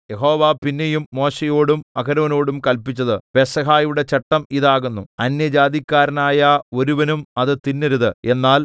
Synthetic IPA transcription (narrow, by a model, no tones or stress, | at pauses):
je̞ɦo̞ːʋaːpinːe̞jumːo̞ːɕejo̞ːɽumɐkɐɾɐʋɐno̞ːɽumkɐlpit͡ɕːɐðɨpesɐɦaːjuɽe̞t͡ɕeʈːɐmiðaːɣunːuɐnjɐd͡ʑaːðikʲːaːɾɐnaːjɐo̞ɾuʋɐnumɐðɨt̪inːiɾuðɨe̞nːaːl